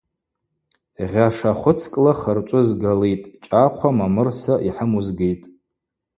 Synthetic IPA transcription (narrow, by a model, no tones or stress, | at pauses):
ʁʲaʂaχʷʊt͡sʰkʼlaχərt͡ʃʷʼʊzɡalejtʼt͡ʃʼaqʷʰamamɨrsaʔiħəmuzɡejtʼ